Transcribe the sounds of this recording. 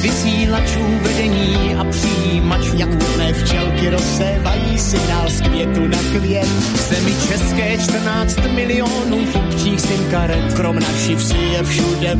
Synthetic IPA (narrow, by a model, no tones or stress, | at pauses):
vɪsiːlat͡ʃuːvɛdɛɲiː | ʔapr̝̥ɪjiːmat͡ʃvɲakt̪ovnɛːft͡ʃɛlkɪɾosɛvajiːsɪnaskvjɛt̪unakljɛ | zɛmɪt͡ʃɛskɛːt͡ʃt̪r̩naːt͡st̪mɪlɪonuːfopt͡ʃiːxsɪnkaɾ | kɾomnafʃɪfsɪjɛfʃudɛ